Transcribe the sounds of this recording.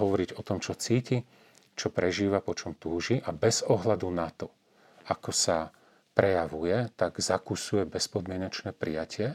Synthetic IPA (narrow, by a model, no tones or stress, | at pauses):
ɦɔʋɔɾiɟɔt̪ɔmt͡ʃɔt͡siːci | t͡ʃɔpɾɛʒiːʋapɔt͡ʃɔmt̪uːʒiʔabɛz̥ɔɦlad̪unat̪ɔ | akɔsa | pɾɛjaʋujɛt̪aɡzakusujɛbɛspɔd̪mɪɛɲat͡ʃnɛːpɾijacɪɛ